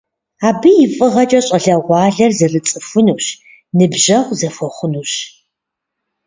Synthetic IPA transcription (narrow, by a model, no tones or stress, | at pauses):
aːbɨjɪfʼɨʁɐt͡ʃʼɐɕʼɐɮɐʁʷɑːɮɐrzɐrɨt͡sʼɨfʊnuːɕ | nɨbʒɐʁʷzɐfʷɔχʷʊnuːɕ